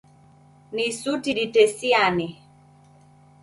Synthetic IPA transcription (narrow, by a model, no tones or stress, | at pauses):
nisutiɗitɛsianɛ